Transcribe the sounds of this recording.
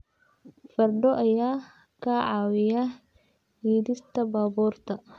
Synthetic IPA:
fɐɾd̪ɔʔɐjaː | kaʕaːwɪja | hiːd̪ɪst̪ɐbaːbɔːrt̪ɐ

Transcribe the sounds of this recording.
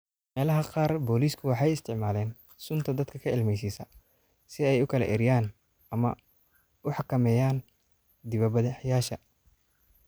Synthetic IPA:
mɛːlɐɦɐqɑːrbɔːliːskʰʊwɑħɑjɪst̪ʰɪʕmaːlɛːn | sʊnt̪ʰɐd̪ɐd̪kʰɐkʰɐɪlmɛjs̬iːsɐ | sɪɛjʊkʰɐlɐ̰ʔɛɾɪjaːn | ɐmɐ | ʊħɑkʰɐmɛːjaːn | d̪ɪβɐbɐðɪħjaːʃɐ

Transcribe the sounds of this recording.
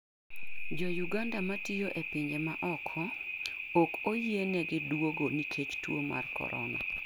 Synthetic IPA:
d͡ʒɔjuɡandamatijoʔepɪɲd͡ʒemaʔɔkʰɔokojenɛɡɪdwoɡonikʰet͡ʃtwo̰ma̰rkɔ̰ɾɔ̰na̰

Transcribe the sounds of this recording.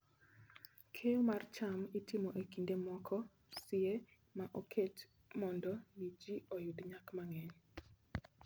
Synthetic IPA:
kʰejomart͡ʃamitɪmɔʔekindemɔkʰɔ | sɪe | maʔokʰet | mɔndɔnid͡ʒiojudɲakmaŋɛɲ

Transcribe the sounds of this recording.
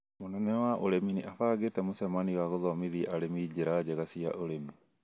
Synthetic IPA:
monɛnɛwaʔoɾeminiʔafaːɣetɛmosɛmaniwaɣɔðɔmiðiʔaɾemid͡ʒeɾad͡ʑɛɣasia̰ʔoɾemi

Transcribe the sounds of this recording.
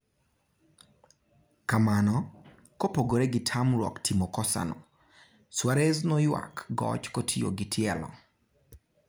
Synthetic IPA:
kamanɔ | kopoɡoɾeɡɪtʰamɾwɔ̰ktʰimokɔsa̰no̰ | swaɾeznɔjwa̰kɡɔ̰t͡ʃkotʰijo̰ɡɪtʰɪɛlɔ̰

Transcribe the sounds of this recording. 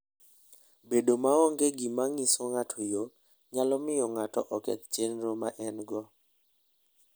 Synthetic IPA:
bedomaɔŋɡeɡimaŋisɔŋatʰɔjo | ɲalɔmɪjɔŋatɔʔɔkɛ̰t̪t͡ʃenɾomaʔɛnɡɔ

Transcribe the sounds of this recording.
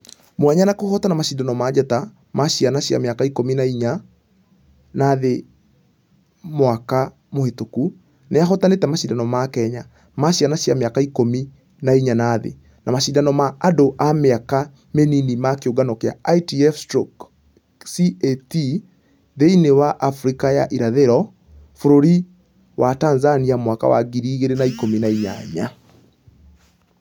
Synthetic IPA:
mwaɲanakohɔtanamaɕidanɔmad͡ʑata | maɕianaɕja̰meakaikominaiɲa | naðe | mwaka | mohetoku | neaɦɔtanetɛmaɕidanɔmakɛɲa | maɕianaɕjameakaikomi | naiɲanaːðḛ | namaɕidanɔmaːdoʔameaka | meninimakeoɡanɔkea̰aitiɛfstɾok | sieti | ðeinewaʔafɾikaja̰ʔiɾaðeɾɔ | foɾoɾi | watanzaniamwaka̰wa̰ɡiɾiːɣeɾenaikominaiɲa̰ɲa

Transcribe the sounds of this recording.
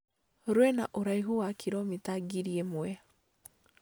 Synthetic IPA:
ɾwɛna̰ʔoɾaiɦuwakʰiɾɔmitaɡiɾiemwwɛ

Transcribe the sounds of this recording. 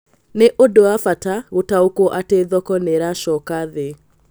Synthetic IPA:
neʔodoafataɣotaokɔʔateðɔkɔneɾaʃɔkaðe

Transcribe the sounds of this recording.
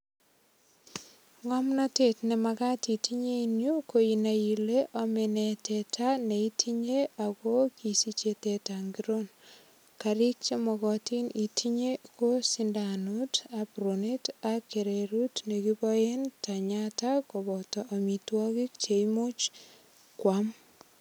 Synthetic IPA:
ŋɔmnatetnemakatitiɲeinjokoinajileʔɔmenetʰɛtʰaneitʰiɲeakokisit͡ʃetetaŋɡiɾon | kaɾik̚t͡ʃemɔkɔtinitʰiɲekosindanutapɾonetakːeɾeɾutnekibɔjentaɲatakobɔtɔʔamitwɔkik̚t͡ʃeimut͡ʃ | kwam

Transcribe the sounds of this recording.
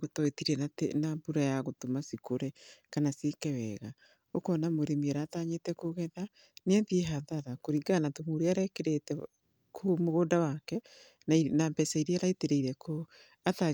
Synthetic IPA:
ɣotɔetiɾɛnatḛnabuɾajaɣotomasikoɾɛkanasekɛwɛɣa | okɔnamoɾemieɾaːtaɲetɛkoɣɛða | neɛðieɦaðaɾakoɾiɡanatomuɾeaɾɛkeɾetɛ | kʰomoɣoːdawakɛ | nnambɛsaiɾeaɾaeteɾeiɾɛko | ata

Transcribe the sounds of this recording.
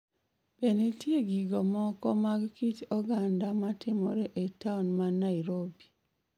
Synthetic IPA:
benitjeɡiɡɔmɔkɔmaɡkit͡ʃɔɡandamatɪmɔɾeʔetaunmanaiɾobi̥

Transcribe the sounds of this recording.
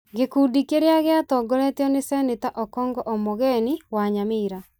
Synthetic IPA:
ɡekudikeɾeaɣeatɔːɡɔɾɛtjɔnesɛnetaʔɔkɔːŋɡɔʔɔmoɣɛniwaɲameɾa

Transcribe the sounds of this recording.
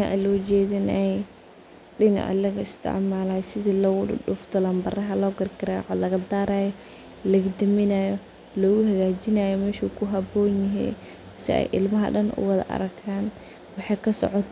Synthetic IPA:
ɪɑ̰ʕlɔːd͡ʒɛːðɐnɛj | ɗɪnɑ̰ʕlɐɣɐɪst̪ʰɪ̰ʕmaːlaːjsɪðiːlɐɣʊɗʊfd̪ʰɐlaːmbɐrɐɦɐlɔːɡɐɾɪkʰɐɾaʕɔ̰lɐɣɐd̪aːɾaːjɔ | lɐɣd̪ɐmɪnajɔ | lɔːɣʊɦɐɣaːt͡ʃɪnaːjɔmɛːʃuːkʰʊɦɐbɔːnjɪɦɛ̰ː | sɪ̰ɛ̰jʔɪ̰lmɐɦɐ̰ɖɐnʔʊ̰wɑðɐ̰ʔɐ̰ɾɐkʰaːn | wɑħɑjkʰɐsɔ̰ʕɔt̪ʰ

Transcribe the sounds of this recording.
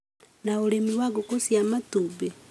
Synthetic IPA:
naoɾemiwaɣokosjamatube

